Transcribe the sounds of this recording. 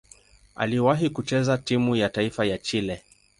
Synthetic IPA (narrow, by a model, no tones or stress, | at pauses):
a̰liwaɦikut͡ʃɛzatimujataifajat͡ʃilɛ